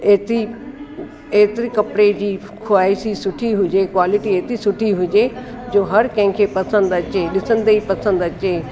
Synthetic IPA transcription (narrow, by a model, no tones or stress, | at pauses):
eːt̪i | eːt̪ɪɾikɐpɽed͡ʑiː | kʰʊaːisisʊʈʰiɦʊd͡ʑekwaːlɪʈieːt̪isʊʈʰiɦʊd͡ʑe | d͡ʑoːɦɐɾkɐ̃ɦɪ̃kʰeːpɐsə̃nd̪ɐt͡ɕeːɗɪsə̃nd̪ipɐsə̃nd̪ɐt͡ɕeː